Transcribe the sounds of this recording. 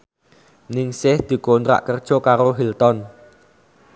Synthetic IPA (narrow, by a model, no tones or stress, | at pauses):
nɪŋsɪhd̪̥i̤kont̪ɾa̰ʔkərd̥ʒ̥ɔ̤kaɾoɦilt̪ɔn